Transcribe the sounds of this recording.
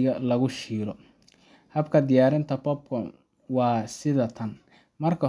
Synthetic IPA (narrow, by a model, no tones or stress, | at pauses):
ɣɐlɐɣʊʃiːɾɔ | hɐbkʰɐd̪ɪjaːɾɪnt̪ʰɐpʰɔb̚kʰɐ | wɑːsɪðɐt̪ʰɐn | mɐrkʰɐ